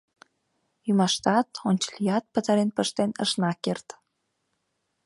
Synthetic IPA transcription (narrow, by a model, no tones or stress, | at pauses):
jymɑʃt̪ɑt̪ont͡ɕə̥lʲijɑt̪̚pət̪ɑɾenpəʃt̪enə̰ʃnɑkert̪